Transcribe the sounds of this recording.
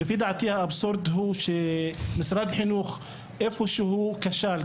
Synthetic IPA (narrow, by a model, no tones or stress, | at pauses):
ɪfiːd̪aʕt̪iːhaʔabsoɾˤd̪ɦuːʃemɪsɾˤɑd̪ħɪnuːx | ʔefuʃuhuːkaʃaːl